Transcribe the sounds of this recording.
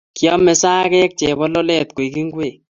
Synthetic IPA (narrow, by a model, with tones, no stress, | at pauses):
kjɔ˦mɛ˨saː˦kɛ˦k̚t͡ʃɛ˨bɔ˦lɔ˦lɛ˦t̪̚ko˨i˨ki˦ŋɡwe˦˨